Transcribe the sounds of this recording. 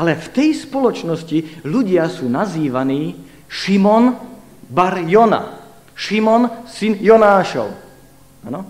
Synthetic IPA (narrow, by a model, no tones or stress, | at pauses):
alɛft̪ɛjspɔlɔt͡ʃnɔsciluɟɪasuːnaziːʋaniː | ʃimɔn | baɾjɔna̰ | ʃimɔnsinjɔnaːʃɔ̰ʊ | anɔ